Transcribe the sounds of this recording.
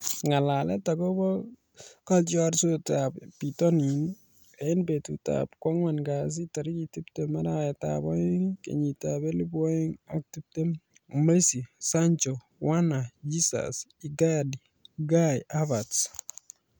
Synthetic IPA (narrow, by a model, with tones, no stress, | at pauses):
ŋa˨la˨lɛ̰˦taɡɔ˦bɔ˦ | ka˦lt͡ʃɔɾsotabpi˨tɔni˨n | a˨ɪ˦nbe˨tṵ˨ta̰pkwa˦ŋwa˨nɡa˨s̬i˦taɾi˦ki˨tiptemaɾaɛta̰bɔ˦ɪ˦ŋkḛɲi˨tabe˦li˦bɔ˦ji˦ŋak̚ti˦p̚te˦m | mesi˨sa˦ɲt͡ʃɔ | wa˦na˨d͡ʒi˦sa̰siɡadi | ɡajabats